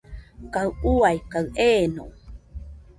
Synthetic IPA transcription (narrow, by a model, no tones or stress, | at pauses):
kauajkaɰʔeno̰